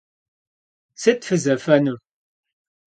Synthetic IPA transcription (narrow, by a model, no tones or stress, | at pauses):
sit̪fəzæfænu